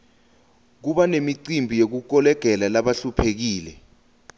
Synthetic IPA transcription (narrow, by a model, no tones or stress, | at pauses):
k̬uɓanemiǀimbʱijek̬uk̬ɔlɛɡ̥ʱɛlalaɓaɬupʰek̬iːlɛ